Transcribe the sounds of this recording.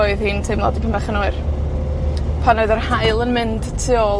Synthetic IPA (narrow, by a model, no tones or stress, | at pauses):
ɔɨðhiːntʰɨmlˠɔ̰dipʰəmbɛχənʊɨr | pʰanoɨðərhaɨlˠənmɪnd̥tʰɪɔ